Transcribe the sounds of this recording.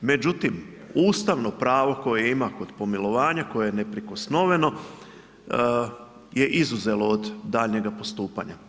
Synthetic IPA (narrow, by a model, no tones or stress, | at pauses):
me̞d͡ʑut̪im | uːst̪aʋno̞pɾaːʋo̞ko̞jeimako̞d̪̥po̞milˠo̞ʋaːɲako̞jejenepɾiko̞sno̞ʋe̞no̞ | je̞ʔizuze̞lo̞od̪ːaːʎɲe̞ɡapo̞st̪uːpa̰ɲa